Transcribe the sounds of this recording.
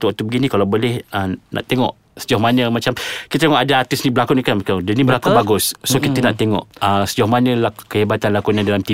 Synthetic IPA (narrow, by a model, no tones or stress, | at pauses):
t̪uat̪ubəɡinĩkalabolɛhənʔa̰ʔt̪eŋɔ̰ʔ | sə̥d͡ʒhmanə̃mat͡ʃamkit̪at̪eŋɔʔadaart̪ɪsnĩbəlakunikanmaadənĩbəlakubaɡussokit̪ənaʔt̪eŋɔ̰ʔəsəd͡ʒɔhmanəlakəhebat̪anlakuɲãdalamt̪i